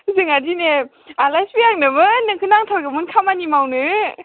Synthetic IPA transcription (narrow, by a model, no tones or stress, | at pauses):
zɯŋadine | alajsbijaŋ̚nɯbɯnɯkʰɯnaŋtʰaɾɡɯmunkʰamanimawnɯ